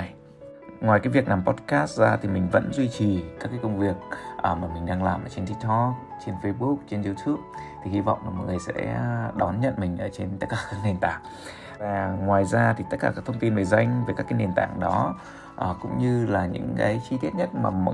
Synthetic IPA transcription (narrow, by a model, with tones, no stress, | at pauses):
ŋwaː˨˩jkaː˨˦jvi˨˩əknlaː˨˩mpɔ˦˥t̚kaː˦˥st̚zaː˧t̪ʰi˨˩mï˨˩ŋ̟və̰˧˥nzwi˧t͡ɕi˨˩kaː˦˥kːaː˨˦kə˧wŋ͡mvi˨˩ək̚ʔəː˨˩maː˨˩mï˨˩ŋ̟ɗaː˧ŋlaː˨˩mʔəː˧˩t͡ɕe˧nt̪ʰi˦˥t̪ʰɔ˧ | t͡ɕe˧nfə˧ɓu˦˥p̚t͡ɕe˧nzu˧t̪ʰu˦˥p̚t̪ʰi˨˩hi˧vɔ̰˧˨wŋ͡mlaː˨˩mɔ̰˧˨jŋɨ˨ə˩jsɛ̰˧˥˧ɗɔ˨˦nɲə̰˧˨nmï˨˩ŋ̟ʔəː˧˩t͡ɕe˧nt̪ə˦˥t̚kaː˨˩kaː˧˦˥k̚na˨˩nt̪a̰ː˧˨˩ŋ̚ | vaː˨˩ŋwaː˨˩jzaː˧t̪ʰi˨˩t̪ə˦˥t̚kaː˧˩kaː˦˥k̚t̪ʰwŋ͡mt̪i˧nvə˨˩jza˧jŋ̟və˨˩kaː˦˥kːaː˨˦nɗe˨˩˨nt̪a̰ː˧˨ŋɗɔ˨˦ | ʔə˨˩kʊ̰˧˥ŋ͡mɲɨ˧laː˨˩ɲɨ̰˧˥ŋkaː˨˦jt͡ɕi˧t̪i˦˥ət̚ɲə˦˥t̚maː˨˩m˧˨